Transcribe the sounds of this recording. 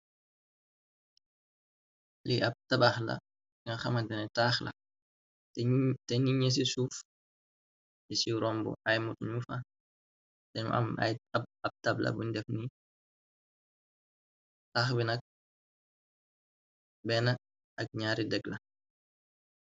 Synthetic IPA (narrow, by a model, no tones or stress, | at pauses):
liʔɐb̚tɐbaxlɐ̰ | ŋɐxɐmɐndɛnɛtaːxlɐ̰ | tɛniɲɛs̬isuːf | jisiɾɔmbṵʔɐjmutɲufɐ | tɛɲ̰ʔɐ̰m̰j̚ɐb̚tɐblɐ̰buɲdɛfni | taːxbinɐk̚ | bɛnɐ | ɐk̚ɲaːɾidɛɡlɐ̰